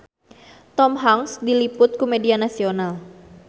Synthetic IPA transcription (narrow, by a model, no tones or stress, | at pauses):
t̪ɔmɦaŋsdilipʊt̪̚kumedianasional